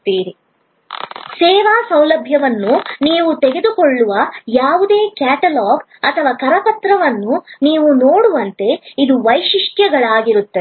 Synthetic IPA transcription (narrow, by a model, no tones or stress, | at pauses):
t̪iːɾi | sɛːʋaːsɐwlɐbʱjɐʋɐnːuniːʋut̪ɛɡe̞d̪ukoɭːuʋɐjaːʋud̪e̞ːkaːʈɐlaːɡ | ɐt̪ʰɐʋaːkɐɾɐpɐt̪ɾɐʋɐnːuniːʋunoːɽuʋɐnt̪e̞id̪uʋɐjʃiʂʈjɐɡɐɭaːɡiɾut̪ːɐ